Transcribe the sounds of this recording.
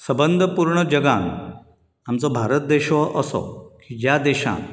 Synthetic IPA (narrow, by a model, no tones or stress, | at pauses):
səbənd̪ʱəpuɾɳəd͡ʑəɡan | amt͡sɔbʱaɾət̪̚d̪eɕɔʔəsɔ̰kid͡ʑjad̪eɕã̰